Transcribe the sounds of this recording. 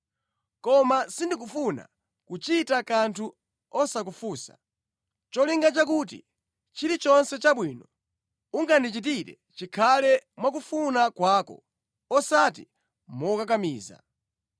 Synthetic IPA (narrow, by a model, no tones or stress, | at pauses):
kɔmasindik̬ufuna̰ | kut͡ʃitakantʰu | ɔsak̬ufuːsa̰ | t͡ʃɔliŋɡat͡ʃak̬ut̬ḭ | t͡ʃiɾit͡ʃɔnsɛt͡ʃaɓwiːnɔ | uŋɡandit͡ʃit̬iɾɛ̰ | t͡ʃikʰalɛmwak̬ufunakwaːkɔ̰ | ɔsatḭ | mɔkak̬amiːza̰